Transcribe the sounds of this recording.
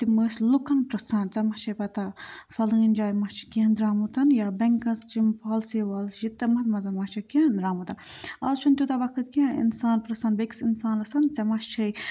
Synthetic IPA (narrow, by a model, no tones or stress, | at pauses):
t̪iməːslukɐnpɾɨsaːnt͡sɐmɐt͡ʃʰɐjpɐt̪afɐlɨːnd͡ʒaːjmɐt͡ʃʰi̥kẽːnd̪ɾaːmut̪ɐnjaːbɐŋkɐnst͡ʃimpʰaːlseːʋaːlsʒit̪ːɐmɐt̪mɐzɐmɐt͡ʃʰɐkend̪ɾaːmut̪ɐnɐ̰zt͡ʃʰunt̪ʲut̪ɐʋɐkʰɨt̪kiãḭnsaːnpɾɐsɐːnbeksinsaːnɐsɐnt͡sɐmɐʃt͡ʃʰɐj